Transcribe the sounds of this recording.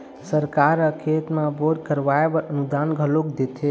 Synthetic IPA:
səɾkaɾəkʰet̪mãbod̪kəɾʋaebəɾənud̪anɡʱəlokd̪et̪ʰe

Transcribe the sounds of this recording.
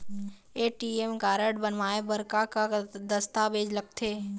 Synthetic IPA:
eːʈiemɡaːɾəɽbənʋaːebəɾkakad̪əst̪abeːd͡ʒləɡ̚t̪ʰeː

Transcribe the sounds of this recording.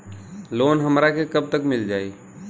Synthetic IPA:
loːnɦəmɾakekəb̚t̪əkmɪld͡ʒaːi

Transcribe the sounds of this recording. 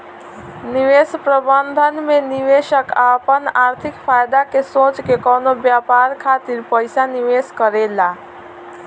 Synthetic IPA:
niʋespɾəbənd̪ʱənmeniʋeʃəkapənaɾt̪ʰikpʰajd̪akesoːt͡ʃkekɔːnobjapaɾkʰat̪iɾpəjsaniʋeskəɾela

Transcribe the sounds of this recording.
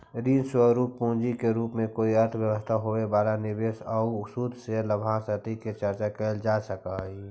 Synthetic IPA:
ɾiːnswəɾuːpːõːd͡ʒikeɾuːpmẽkoːiəɾt̪ʰbjəwəst̪ʰaɦoebaːlanɪbeːsəuʊsuːd̪ʱseləbʱãsət̪iket͡ʃəɾt͡ʃakɛld͡ʒasəkaɦi

